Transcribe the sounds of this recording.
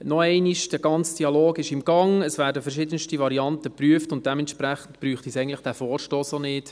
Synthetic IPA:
nɔɛɪniʃd̥əɡ̥ɑnt͡sd̥iɑloːɡɪʃɪmɡ̥ɑŋəsʋæːɾdəfɛɾʃɪdənʃtiʋɑɾiɑntəpryəftʊnt̚d̥ɛmɛnʃpɾæχən̩tpɾyːχt̪isɛɪɡntləχd̥æfɔːɾʃtoːsonɪt

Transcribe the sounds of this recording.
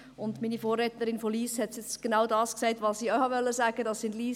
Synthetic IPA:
ʊndmiːnifoːrːɛtəɾɪnfoliːshɛtsjɛt͡sɡ̥enaʊdɑːsksɛɪtvɑsiːœhɑʋœlːəsaːɡədɑsːɪndliː

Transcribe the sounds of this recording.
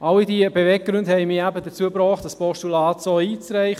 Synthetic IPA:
ʔɑlidiəbevɛɡ̚ɡ̥ɾʏndhɛɪmiːæbədət͡suəbɾɔːχtdɑspɔʃtulɑːtsoiːt͡sɾæɪχ

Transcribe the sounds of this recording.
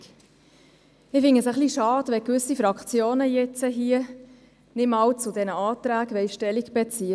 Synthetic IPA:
ɪfɪŋəsəχliʃɑːd̥ʋɛkʋʏsifɾɑkχt͡sjoːnəjɛt͡səɦiə | nɪmɑwt͡sudɛnəɑːt̪ɾæːɡʋɛɪʃtɛliɡb̥ɛt͡si

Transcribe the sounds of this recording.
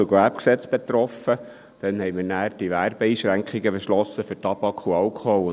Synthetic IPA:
əɡʋæpksɛt͡sb̥et̪ɾɔfə | d̥ɛnhɛɪjmənæːɾd̥iʋæːrb̥ɛiːʃɾæŋkχiɡəbeʃlɔsːəfɵɾtɑb̥ɑkχuɑlkχɔ

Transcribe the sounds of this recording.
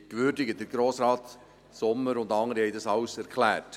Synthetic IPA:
kʋʏɾdɪɡəd̥əɾɡ̥ɾoːsɾɑːt̪ | sʊmːəɾʊndɑŋːəɾihɛɪdɑsɑwsɛɾkʰlæːt

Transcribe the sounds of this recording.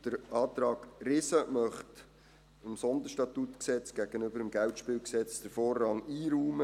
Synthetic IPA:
d̥əɾɑːt̪ɾɑːɡ̥rɪsəmœχt | ɪmsɔnd̪əɾʃtɑt̪ut̪ksɛt͡sɡ̥æɡ̥ənʏbəɾəmɡæwtʃpɪːlksɛt͡sd̥əɾfoːrːɑŋiːɾuːmə

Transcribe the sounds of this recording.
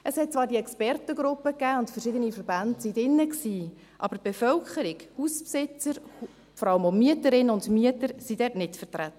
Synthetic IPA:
ʔəshɛt̚t͡svɑːɾdiɛkspɛrtəɡɾʊpːəkːæːʊntfəɾʃɪdənifəɾbæntsidɪnːəksiː | ʔɑ̰b̥əb̥ɛfœlkʰəɾɪɡhuspsɪt͡səɾu | fɔɾɑləmomiətəɾɪnəʊndmiətəɾsidɛːtnɪtfətɾæt̪ːə

